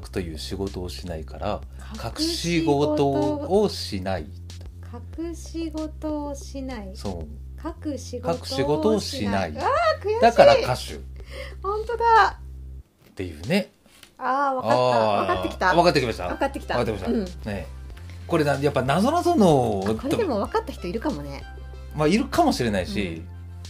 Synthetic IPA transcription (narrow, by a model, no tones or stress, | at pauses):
kɯ̥t̪o̞jɯ̟ːɕiɡo̞t̪o̞ːɕinaikaɾa̰ | kʰakɯɯ̟̥ɕiɡo̞t̪oːɕinaḭ | kʰakɯ̟ɕiɡot̪oɕinaiso̞ː | kakɯ̟ɕiɡkakɯ̟̥ɕiɡo̞t̪o̞ːɕinaḭakɯ̟jad̪akaakaɕɨ̰hõ̞nt̪o̞d̪a | t̪ːe̞jɯ̟̰ːne̞ | aːβaaaaekii̥t̪aβakat̪ːekʲimaɕit̪a̰βakat̪ːekʲi̥t̪akat̪ːekʲimaɕtaɯ̃neko̞ɾe̞najapːanazo̞nazo̞no̞koɾeemo̞βakat̪ːaçʲi̥t̪o̞iɾɯ̟kamonḛ | maiɾɯ̟kamo̞ɕiɾe̞naiɕḭ